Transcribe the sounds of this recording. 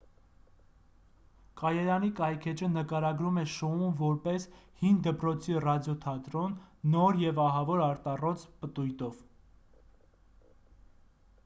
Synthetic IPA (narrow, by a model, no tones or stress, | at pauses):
kɑjɛɾɑnikɑjkʰɛt͡ʃʰənəkɑɾɑɡɾumɛʃɔumvɔɾpɛshind̪əpɾɔt͡sʰirɑd̪jɔt̪ʰɑt̪ɾɔnːɔɾjɛvɑɦɑvɔɾɑɾt̪ɑrɔt͡spət̪ujt̪ɔv̥